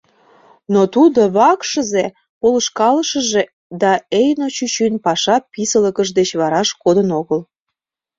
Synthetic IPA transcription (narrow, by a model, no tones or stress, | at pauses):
not̪ud̪oβɑkʃə̆ze | poləʃkɑləʃə̆ʒe | d̪ɑejnot͡ɕyt͡ɕynpɑʃɑpisələkəʒd̪et͡ɕβɑɾɑʃkod̪ənoɣəl